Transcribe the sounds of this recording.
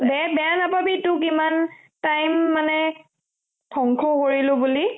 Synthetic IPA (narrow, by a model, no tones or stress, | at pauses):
bɛabɛanapabitʊkiman | tajmːanɛ | tʰɔŋkʰɔkoɹilʊ̃buli